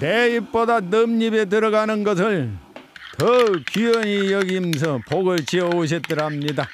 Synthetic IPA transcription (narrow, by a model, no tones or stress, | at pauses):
neip̚p͈odanɯmɲibet̬ɯɾʌɡanɯnɡʌsʰɯɭ | tɯkujʌɲijʌɡims̬ʰʌpoɡɯɭt͡ɕiʌoɕ̬ʰit̚t͈ɯɾamɲida